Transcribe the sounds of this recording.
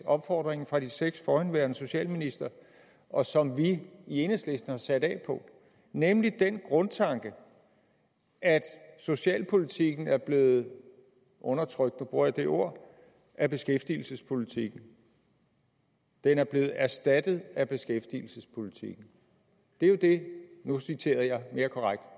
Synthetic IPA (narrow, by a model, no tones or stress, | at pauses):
ɒ̽b̥fɒ̰ːd̥ʁeŋ̩fʁɑ̈d̥iseɡ̥sfɒːænʋæɐ̥nəso̝ɕɛ̰ːlminisd̥ɐ | ɒ̽sɒ̽mʋiie̝nəsle̝sd̥n̩hɑ̈sæd̥ɛ̰ːpʰɒ̽ | nemlid̥enɡ̥ʁɔ̽nt͡sʰɑ̈ŋɡ̥ə | ʔæd̥so̝ɕɛ̰ːlpʰo̝lit͡sʰiɡ̥n̩æɐb̥le̝ːð̩ˠ | ʔɔ̽nɐt͡sʰʁœɡ̥d̥nub̥ʁuɐ̰jɑ̈d̥e̝ʔo̝ɐ̰ | ʔæb̥e̝sɡ̥efd̥ḭːl̩səspʰo̝lit͡sʰiɡ̥n̩ | d̥enæɐb̥le̝ːð̩ˠæɐsd̥æd̥ð̞̩ˠæb̥e̝sɡ̥efd̥ḭːl̩səspʰo̝lit͡sʰḭɡ̥n̩ | d̥e̝jo̝d̥e̝nusit͡sʰe̝̰ːɐð̩ˠjɑ̈ɪme̝ːɐkʰɒ̽ʁaɡ̥̚d̥